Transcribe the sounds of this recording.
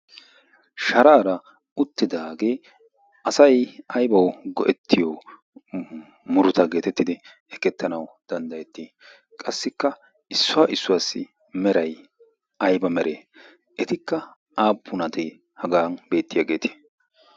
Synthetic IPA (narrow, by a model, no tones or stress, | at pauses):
ʃɐɾaːɾɐ | ʊt̪ːɪd̪aːɡe̞ː | ʔɐsɐjɐjbɐwɡɔʔɛt̪ʰːɪjo | mʊɾʊt̪ɐɡe̞ːt̪ɛt̪ːɪd̪ɪ | ɛkːɛt̪ːɐnɐwd̪̥ɐnd̪ɐjɛt̪ːi | kʼɐsːɪkːɐ | ɪsːʊaːʔɪsːʊwaːsːɪ̰ | mɛɾɐj | ʔɐjbɐmɛɾʔeː | ʔɛt̪ɪkːɐ | ʔaːpʰːʊnɐt̪ɛ | hɐɡaːnbe̞ːt̪ːɪjaːɡe̞ːt̪ɪ̥